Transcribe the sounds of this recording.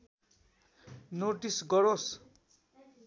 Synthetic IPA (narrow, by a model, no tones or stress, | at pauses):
noʈisɡʌɾos